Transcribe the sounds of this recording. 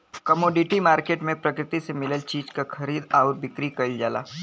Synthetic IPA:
kɐmoːɖɪʈimaːɾkeːʈmẽpɾɐkɾɪt̪isemɪləlt͡ʃiːd͡ʒkakʰɐɾiːd̪aːʊɾbɪkɾikɐld͡ʒaːla̰ː

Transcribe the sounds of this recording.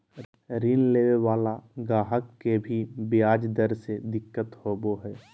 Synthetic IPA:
ɾiːnleːwewaːlaɡaːɦəkːebʱibjaːd͡ʒd̪əɾsed̪ɪkːət̪hoːboɦɛː

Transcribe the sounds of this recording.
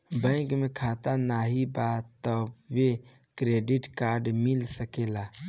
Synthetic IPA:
bə̃ɪ̃kmekʰat̪anaɦibat̪əbːe | kɾeɖiʈkaɾɖmilsəkela

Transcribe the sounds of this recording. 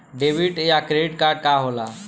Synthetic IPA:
ɖebiʈejakɾeɖiʈkaɾɖ̚kaɦola̰

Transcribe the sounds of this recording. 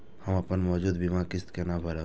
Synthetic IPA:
hɐmɐpənmɔːd͡ʒuːd̪bimakɪst̪kenabʱɐɾa

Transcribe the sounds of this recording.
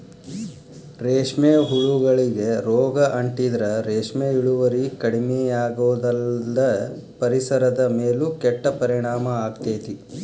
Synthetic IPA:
ɾeːʂmeɦuɭuɡɐɭiɡe̞ɾɔːɡɐʔɐɳʈid̪ɐɾɐɾeːʂmeiɭuʋɐɾikɐɽimɛjaːɡoːd̪ɐld̪ɐ | pɐɾisɐɾɐd̪ɐmeːlukɛʈːɐpɐɾiɳaːmɐaːɡt̪eːt̪i

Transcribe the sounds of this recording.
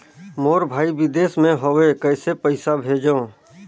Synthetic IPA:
moːɾbʱaːibɪd̪eːsmẽɦoekəɪsepəɪsabʱeːd͡ʒõ

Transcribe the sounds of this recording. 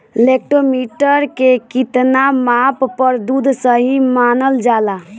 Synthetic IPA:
lek̚ʈomiʈəɾkekit̪namapːəɾd̪ud̪ʱsəɦimanəld͡ʒala

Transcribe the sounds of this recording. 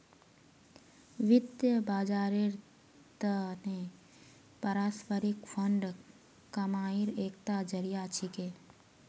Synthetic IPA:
ʋɪd̪jəbaːd͡ʒaːɾeɾ | t̪əne | pəɾaːspəɾɪkfʰəɳɖ | kəmaːiɾeːkt̪ad͡ʒəɾijat͡ʃʰikeː

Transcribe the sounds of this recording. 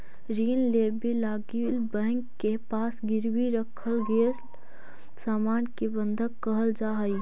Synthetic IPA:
ɾiːnleːbilaːɡilbɛ̃ːŋkːepaːsɡɪɾwiɾəkʰəlɡeː | saːmaːnkebə̃nd̪ʱəkkːəɦəld͡ʒaːɦəi

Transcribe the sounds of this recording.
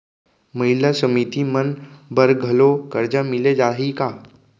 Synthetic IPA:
mɐɦɪlasəmit̪imənbəɾɡʱəlokəɾd͡ʒamɪled͡ʒaːɦikaː

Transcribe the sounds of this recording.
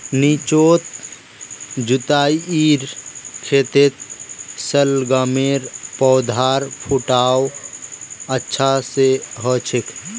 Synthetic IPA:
nit͡ʃoːt̪̚ | d͡ʒut̪aːiiɾkʰeːt̪et̪̚səlɡameɾpɔwd̪ʱaːɾpʰuʈaːw | ətːʃʰaseɦɔt͡ʃʰekʰ

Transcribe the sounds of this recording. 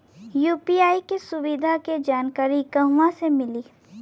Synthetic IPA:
juːpiaːikesʊwɪd̪ʱaked͡ʒaːnkaːɾikɐɦʋãsemɪliː

